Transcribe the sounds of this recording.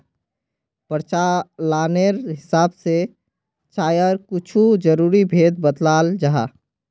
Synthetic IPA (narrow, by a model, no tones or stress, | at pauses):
pəɾt͡ʃalaːneɾɦɪsaːbse | t͡ʃaːjəɾkʊt͡ʃʰud͡ʒəɾuːɾibʱeːd̪bət̪laːld͡ʒaɦa̰ː